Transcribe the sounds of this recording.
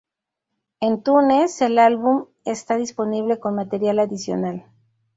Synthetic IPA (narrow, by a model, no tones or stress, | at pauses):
e̞nt̪une̞se̞lalβum | est̪aðispo̞niβ̞le̞ko̞nmat̪e̞ɾjalaðisjo̞̰nal